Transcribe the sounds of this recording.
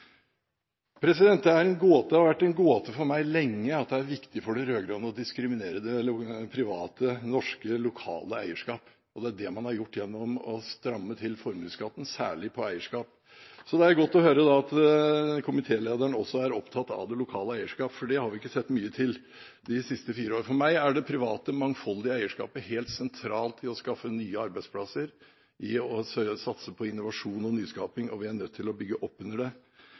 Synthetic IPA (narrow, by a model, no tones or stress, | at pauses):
pʰɾɛsɪd̪ɛnt̪̚d̪ɛæɾɛnɡoːt̪d̪ɛhɑɾʋæʈːɛnɡoːt̪ʰəfɔɾmæɪlɛŋːəɑt̪̚d̪ɛæɾʋɪkt̪ɪfɔɖɛɾøːɡɾɑːnəɔd̪ɪskɾɪmɪneːɾəd̪ɛpʰɾɪʋɑːt̪ənɔʂkəlʊkʰɑ̰ːləæɪəʂkɑːp | ɔd̪ɛæɖɛmɑnhɑɾjʊʈːjɛnːɔmɔst̪ɾɑmːət̪ʰɪlfɔɾnɪŋskɑːt̪ːən̩sæ̰ːɭɪpʰɔæɪəʂkɑːp | sɔd̪ɛæɾɡɔt̪ːɔhøːɾəd̪ɑɑt̪kʰʊmɪt̪ʰeːleːd̪æɳɔsːɔæɾɔpt̪ʰɑt̪ːɑ̰ʋd̪ɛlʊkʰɑːləæɪəʂkɑːpfɔɖɛhɑɾʋɪɪkːəsɛt̪ːmyːət̪ʰɪl | d̪ɪsɪst̪əfiːɾəoːɾəfɔɾmæɪæɖɛpʰɾɪʋɑːt̪əmɑŋfɔld̪ɪəæɪəʂkɑ̰ːpəheːlt̪sɛnt̪ʰɾɑːlt̪ʰɪɔskɑfːənyːəɑɾbæɪd̪spʰlɑsəɾ | ʔɪɔssɑt̪səpʰɔɪnʊʋɑʂuːnɔnyːskɑːpɪŋɔ̰ʋɪæɳœt̪ʰːɪlɔbʏɡːəʔɔpːʉnəɖɛ